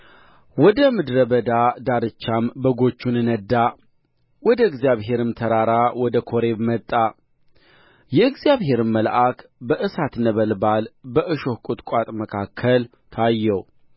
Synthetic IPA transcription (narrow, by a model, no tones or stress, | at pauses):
wɔd̪əmɨd̪ɾəbəd̪ad̪aɾɨt͡ʃːambəɡo̞t͡ʃːunɨnəd̪ːa | wɔd̪əɨɡzijaβɦe̞ɾɨmt̪ʰəɾaɾawɔd̪əkʰo̞ɾe̞βmət̪ʼːa | jɛɨɡzjaβɦe̞ɾɨmːəlʔakbəʔɨsat̪nəβəlbalbəʔɨʃo̞hkʼut̪ʼkʷʼat̪ʼməkʰakʰːəl | t̪ʰajːɛw